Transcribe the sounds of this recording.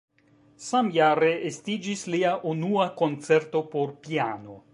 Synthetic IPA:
samjaɾeestid͡ʒisliaʔunuako̞nt͡se̞ɾt̪o̞poɾpiano̞

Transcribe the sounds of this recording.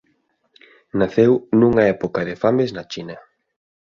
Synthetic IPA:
naθewnuŋɐɛpokɐðɪfameznat͡ʃinɐ

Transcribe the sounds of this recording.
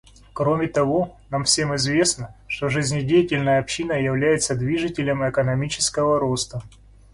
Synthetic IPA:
kɾo̞mʲɪt̪ɐvo̞namfsʲemɪzvʲe̞snəʂt̪o̞ʐɨzʲnʲɪdʲejɪtʲɪlʲnəjəɐpɕːinəjɪvlʲæjɪt̪səd̪vʲiʐɨtʲɪlʲəmɛkənɐmʲit͡ɕɪ̥skəvəɾost̪ə

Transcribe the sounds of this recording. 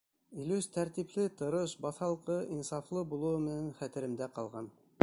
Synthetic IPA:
ilʉst̪ʰæɾt̪iplɘt̪ŏɾɤʃbɑθɑlˠqɤʔinsɑflˠɤbulˠɤ̆wɤmɘ̆nænχæt̪ɘ̆ɾɘ̆md̪æqɑlˠʁɑn

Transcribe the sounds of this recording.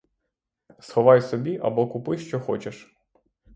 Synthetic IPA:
sxɔʋɑjsɔbʲiʔɐ̰bɔkʊpɪjʃt͡ʃɔxɔ̰t͡ʃeʃ

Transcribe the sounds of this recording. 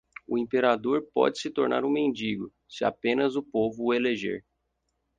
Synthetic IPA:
ʊĩpeɾad̪oɾpɔ̰d͡ʒɪsɪt̪oɾna̰ɾũmẽnd͡ʒiɡʊ | sɪa̰pẽnɐzʊpovʊːeleʒḛɾ

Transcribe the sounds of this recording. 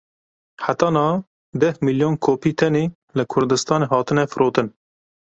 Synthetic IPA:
ħat̪ɑːnɑː | d̪ɛhmiljoːnkʰoːpiːt̪ʰɛneː | lɨkʰʊɾd̪ɨst̪ɑːneːɦɑːt̪ɨnɛfɨɾʔoːt̪ɨn

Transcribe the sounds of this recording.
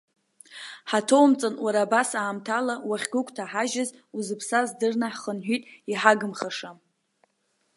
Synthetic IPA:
ħatʰo̞wmt͡sʼanwaɾabasaːmtʰalawaχʲɡʷʊkʷʰʼtʰaħaʒaz | uzɨpʰsazdɨrnaħχənħʷᶣitʼiħaɡɨmχaʂam

